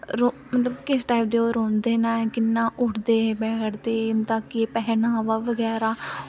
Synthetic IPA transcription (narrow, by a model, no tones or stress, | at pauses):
ɾomət̪ləbkɪsʈaːipɖ̪eːoːɾoːnd̪eːnãːkɪnːãːʔʊʈd̪eːbɛːʈʰd̪eːt̪aːkipɛɦnaːʋaːʋəɡɛːɾaː